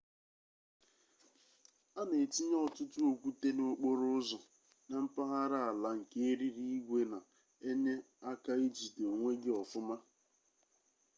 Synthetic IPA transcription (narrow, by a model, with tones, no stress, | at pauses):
a˦ne˨ti˦ɲɔ˦˨tʊ˦tʊ˦o˨kʷu˦te˦no˨o˦k͡po˦ɾʊ˦zɔ˨ | na˨m̩˦pa˦ɦa˦ɾa˦a˨la˨ŋ̩˨ke˦e˦ɾi˦ɾi˦ɡʷe˦na˨ | e˦ɲe˦ | a˦ka˦i˦d͡ʒi˨to˨ŋʷe˦ɡi˦ɔ˨fʊ˦ma˦